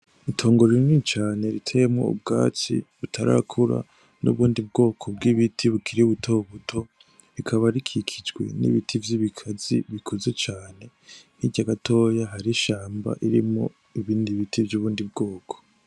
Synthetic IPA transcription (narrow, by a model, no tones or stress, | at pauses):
itʰo̞ːŋɡo̞ɾiɾnit͡ʃaːne̞ɾitʰejemŋo̰ṵb̚ɡa̰ːt͡sḭβutʰaɾa̰kʰuɾa̰ | nʔṵβuːndib̚ɡo̞ːkʰo̞b̚ɡiβitʰiβukʰiɾiuβutʰo̞βutʰo̞ | ɾikʰaβaɾikʰikʰid͡ʒɡwe̞̰nḭβitʰivjiβikʰazḭβikʰoze̞t͡ʃaːne̞ | hiɟaɡatʰo̞jaɦaɾiʃaːmba̰ʔiɾimo̰ | iβiːndiβitʰivjuːβuːndibɡo̞ːkʰo̥